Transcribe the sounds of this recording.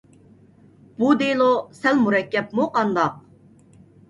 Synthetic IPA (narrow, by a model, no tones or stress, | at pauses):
b̥ud̪elˠosɛlmuɾɛkʲːɛpmuqʰɑnd̪ɑq̚